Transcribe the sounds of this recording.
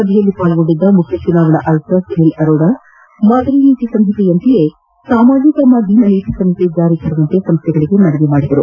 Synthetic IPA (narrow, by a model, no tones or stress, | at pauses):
sɐbʱijɐlːipaːlɡo̞ɳɖid̪ːɐmukʰjɐt͡ʃunaːɡɐɳɐʔɐlsɐsɦelɐɾoːɖa | maːd̪ʱɐɾiniːt̪isɐmɦit̪ejɐnt̪ije | saːmaːd͡ʒikɐmɐd̪inɐniːt̪isɐmɦit̪ed͡ʒaːɾik̪ʰɐɾɐʋɐnt̪esɐmst̪ʰɛɡɐɭiɡe̞nɐɽɐʋemaːɽid̪ɐɾṵ